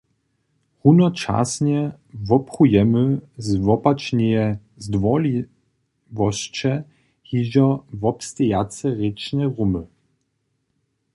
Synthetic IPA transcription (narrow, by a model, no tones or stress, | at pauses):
hunɔt͡ʃa̰sɲɛ | vɔpχujɛmɘzvɔpat͡ʃɲɛjɛ | zd̪vɔli | vɔʃt͡ʃɛ | hiʒɔvɔpst̪ɛjat͡sɛʁet͡ʃnɛʁumə